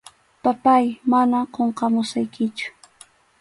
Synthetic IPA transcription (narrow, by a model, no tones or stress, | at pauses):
papajmanaqoɴqɑmʊsajkɪt͡ʃʊ̥